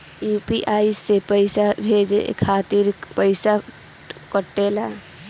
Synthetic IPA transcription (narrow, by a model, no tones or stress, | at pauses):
jupiʔaisːepəɪsabʱed͡ʒḛkʰat̪iɾpəɪsa | kəʈːela